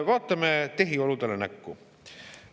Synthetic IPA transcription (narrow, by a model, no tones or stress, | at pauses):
vɑːt̪ːˑɑmet̪e̞ɦio̞lud̪elenækːu